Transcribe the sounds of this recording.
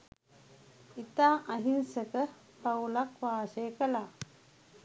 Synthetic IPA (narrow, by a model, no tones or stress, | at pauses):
it̪aːʔɐɦinsəkə | paulakʋaːsejkəlaː